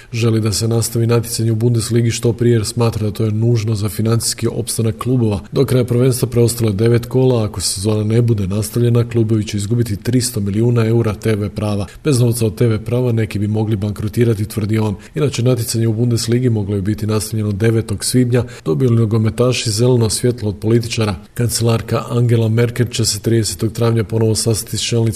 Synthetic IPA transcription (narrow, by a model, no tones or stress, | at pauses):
ʒe̞lid̪ase̞nast̪aʋinat̪jt̪saɲeubund̪esliːɡiʃt̪o̞pɾijesmaːt̪ɾad̪at̪o̞ːjenuːʒno̞zafinant̪si̥skiʔo̞̰pst̪anakːlˠuːbo̞ʋad̪o̞kɾajapɾrʋe̞nst̪ʋapɾe̞o̞st̪alo̞jd̪e̞ʋe̞t̪ko̞ːlˠaːko̞se̞zo̞ːnane̞bud̪e̞nast̪aʋʎe̞naklˠuːbo̞ʋit͡ɕeizɡubit̪it̪ɾist̪o̞miliuːnae̞uɾat̪e̞ːʋe̞pɾaːʋab̥e̞zno̞ʋt̪sao̞d̪̚t̪e̞ʋe̞pɾaːʋane̞kibimo̞ɡlibaŋkɾot̪iːɾat̪it̪ʋər̩d̪io̞ːn | inat͡ʃe̞nat̪̬jet̪saɲe̞ubund̪e̞sliːɡimo̞ɡlobibit̪inast̪avʎe̞nod̪e̞ʋe̞t̪o̞ɡsʋiːbɲad̪̥o̞bijolinoɡo̞me̞t̪aːʃize̞le̞nosʋje̞t̪lˠood̪̚po̞lit̪it͡ʃaɾa | kant̪se̞laɾkaʔaŋɡe̞lame̞ɾke̞lt͡ɕe̞set̪ɾiːd̪e̞se̞̥t̪o̞ɡ̚t̪ɾaːʋɲapo̞no̞ʋo̞sast̪at̪ist͡ʃelˠnit